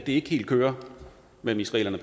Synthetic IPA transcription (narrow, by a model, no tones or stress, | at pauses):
d̥e̝e̝ɡ̥əhe̝̰ːld̥̚kʰøːɐ | memisʁɛ̰ːlɐnəpʰ